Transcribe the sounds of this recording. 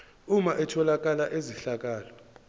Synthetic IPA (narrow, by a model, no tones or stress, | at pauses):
umaʔɛtʰɔlak̬ʼalaʔeziɬak̬ʼaːlɔ